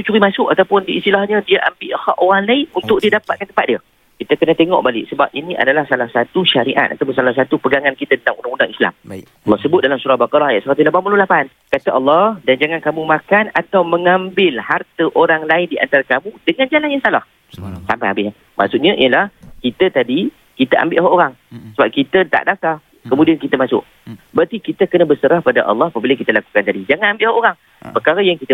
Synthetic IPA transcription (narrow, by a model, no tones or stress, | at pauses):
t̪ut͡ʃuɾimasʊkat̪awpʊndiist̪ilahɲə̃diaʔambiʔhaʔoaŋlaɪnunt̪ʊk̚diədapat̪̚kant̪əmpat̪̚diə | kit̪əkənãt̪eŋɔ̰ʔbalɪksəbap̚ʔinĩʔa̰dalahsalahsat̪uʃaɾiʔa̰t̪̚a̰t̪awpʊnsalas̬at̪upəɡaŋankit̪əat̪ənt̪aŋundaŋundaŋisla̰m | ʔɑlːɑhsəbʊt̪̚dalamsuɾahbakaɾɑhajaʔ̪səɾat̪ulabanpulolapan | kat̪aʔɑlːɑhdand͡ʒaŋankamumãkanat̪awməŋãmbɪlhart̪əʔoɾaŋlaɪndiʔa̰nt̪aɾakamudəŋand͡ʒalanjaŋsalah | sampahabɪ | mʔa̰ʔsʊʔɲəʔḭjəlahkit̪ət̪adi | kit̪əʔa̰mbɪʔɦaʔoɾaŋ | səbap̚kit̪ət̪a̰ʔdaft̪a | kəmũdiankit̪əmasʊ̰ʔ | bəɾt̪ikit̪əkənãbəsəɾahpadaʔɑ̰lːɔhapəbiləkit̪əlaku̥kant̪adid͡ʒaŋanambɪlʔhaʔoɾaŋ | pərkaɾəjaŋkit̪ə